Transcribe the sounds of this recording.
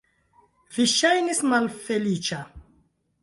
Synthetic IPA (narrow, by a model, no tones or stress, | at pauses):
viʃajnismalfelit͡ʃa